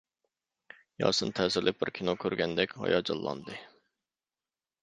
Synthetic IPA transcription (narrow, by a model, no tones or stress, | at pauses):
jɑ̰ːsɨnt̪ʰɛzɪɾlʔɪp̚bɪɾkʲʰinokʲʰøɾɡʲɛnd̪ɛkʲhɑ̰jɑd͡ʒɑlˠːɑ̰nd̪ɨ